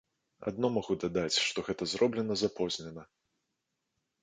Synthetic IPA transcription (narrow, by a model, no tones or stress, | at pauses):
a̰d̪̚nɔmaɣud̪ad̪at͡sʲʂt̪ɔɣɛt̪ɐzɾɔblʲɛnɐzapɔzʲnʲɛnɐ